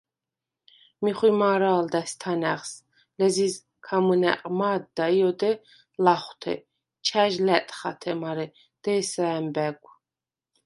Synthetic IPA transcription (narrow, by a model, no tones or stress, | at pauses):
miχwimaːɾaːld̪ɛst̪ʰanɛʁs | lɛziz | kʰamənɛ̰qʼmaːd̪ːaijɔd̪ɛ | laχʷt̪ʰɛ̰ | t͡ʃʰæʒlɛt̪ʼχa̰t̪ʰɛmaɾɛ | d̪̥ɛːsaɛmbɛɡʷʼ